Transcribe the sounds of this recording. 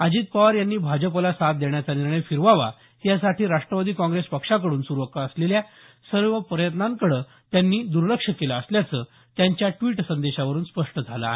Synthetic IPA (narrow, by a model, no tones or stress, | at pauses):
ad͡ʑiːt̪̚paʋaɾjanːiːbʱad͡ʑəpəlasat̪̚d̪eɳjat͡saniɾɳəjfiɾʋaʋa̰ | jasaʈiːɾaʂʈɾəʋad̪iːkɔ̃ŋɡɾespəkʂakəɽuːnsuɾuʋəkaːslelja | səɾʋəpɾəjət̪nãŋkəɽəː | t̪janːiːd̪uɾləkʂəkelaəsljat͡səː | t̪jaɲt͡ɕjaʈʋiːʈsənd̪eɕaʋəɾuːnspəʂʈəd͡zʱala̰ɦe